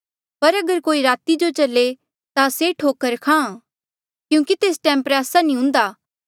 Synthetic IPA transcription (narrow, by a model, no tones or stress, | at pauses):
pɐɾɐɡəɾkoːiɾaːt̪id͡ʒot͡ʃɐle | t̪aseʈʰoːkəɾkʰãː | kjũːkit̪eːsʈɛ̃ːmpɾaːsanĩɦʊ̃ːnd̪aː